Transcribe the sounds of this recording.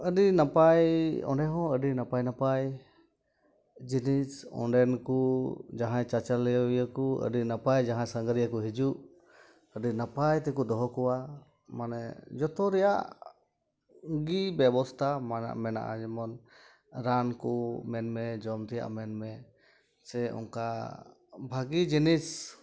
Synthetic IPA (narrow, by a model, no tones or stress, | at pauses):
əɖinapajɔ̰̃ɳɖɛɦɔ̃əɖinapajnapaj | d͡ʒinisɔ̰̃ɳɖɛnkud͡ʒaɦãjt͡ʃat͡ʃalːɛjəwjakuə̰ɖinapajd͡ʒaɦãsəŋɡəɾijakɔɦid͡ʒuʔ | əɖinapajt̪ɛk̬ud̪ɔɦɔkɔwa | manɛd͡ʒɔt̪ɔɾɛjaʔ | ɡibjɛbɔst̪ʰamaa̰mɛna̰ʔa̰d͡ʒɛmɔn | ɾankɔmɛnmɛd͡ʒɔmt̪ʰija̰ʔmɛnmɛ | sɛɔ̰ŋka | bʱaɡid͡ʒinis